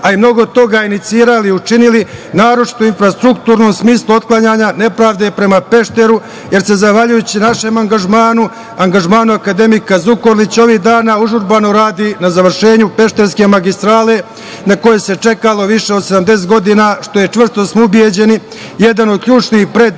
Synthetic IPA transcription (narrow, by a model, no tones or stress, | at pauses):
aimno̞ɡod̪̚t̪o̞ɡaːinit̪siːɾaliut͡ʂinilinaːɾot͡ʃi̥t̪oinfɾast̪ɾukt̪uːɾno̞msmiːslˠuo̞t̪̚klˠaɲaːɲane̞pɾaːʋd̪e̞pɾe̞mape̞ʃt̪e̞ɾu | je̞ɾse̞zaxʋaʎujut͡ɕinaʃe̞maŋɡaʒmaːnu | aŋɡaʒmaːnuakad̪e̞mikazuko̞ɾlit͡ɕo̞ʋiːɦd̪aːnauʒuɾbano̞ɾaːd̪inazaʋr̩ʂe̞ːɲupe̞ʃt̪e̞ɾske̞maɡist̪ɾaːle | nako̞jese̞t͡ʂe̞kalo̞ʋiʂeod̪sed̪amd̪es̬et̪ɡo̞d̪inaːʃt̪o̞je̞t͡ʂʋr̩st̪o̞smoubje̞d͡ʑe̞ni | je̞d̪ano̞d̪̚kʎuːt͡ʂniːxpɾe̞d̪